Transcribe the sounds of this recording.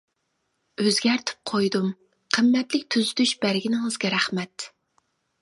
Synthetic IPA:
øzɡʲæɾt̪ʰɪ̥p̚qʰojd̪um | qʰəmːɛt̪lɪk̚ʲt̪ʰyzyd̪yʃb̥æɾɡʲinɪŋɨzɡʲɛɾæχmɛt̪

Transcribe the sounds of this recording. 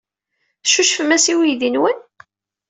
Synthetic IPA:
ʃuʃfəmæsiwijðinwən

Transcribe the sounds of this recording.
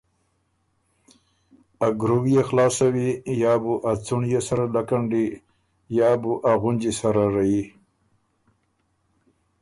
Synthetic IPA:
aɡɾuwjexlɑːsawijaːbuʔat͡suɳjesaɾalakaɳɖi | jɑbuʔaɣʊnd͡ʒisaɾaɾaji

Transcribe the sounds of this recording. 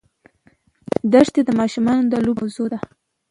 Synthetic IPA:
d̪aʂt̪ed̪əmɑʃumɑnod̪əlubawzod̪a

